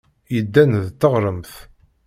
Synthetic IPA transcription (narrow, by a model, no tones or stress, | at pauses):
jəd̪ːænðt̪ːəʁɾˤəmθ